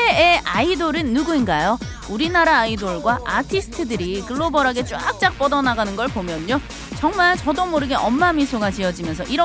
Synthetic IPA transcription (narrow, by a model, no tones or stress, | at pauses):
eeaidoɾɯnːuɡuinɡajo | uɾinaɾaːidoɭɡwaʔatʰisʰɯ̥tʰɯdɯɾikɯɭːobʌɾaɡe̞t͡ɕ͈wak̚t͡ɕ͈ak̚p͈ʌdʌnaɡanɯnɡʌɭpomjʌɲːo | t͡ɕʌŋmaɭt͡ɕʌdomoɾɯɡeʔʌmːamisʰoɡat͡ɕiʌd͡ʑimjʌnsʰʌʔiɾʌ